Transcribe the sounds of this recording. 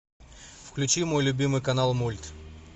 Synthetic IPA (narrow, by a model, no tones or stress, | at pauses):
fklʲʉt͡ɕimo̞jlʲʊbʲimɨjkɐnalˠmulʲt̪